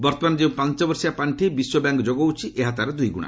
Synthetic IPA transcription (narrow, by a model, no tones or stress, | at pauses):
bɔɾt̪ɔmanɔd͡ʒeũpãnt͡ʃɔbɔɾsijapaɳʈʰibiswɔbjaŋkɔd͡ʒoɡɔwt͡ʃʰiʔeɦat̪aɾɔd̪ujɡṵɽ̃a̰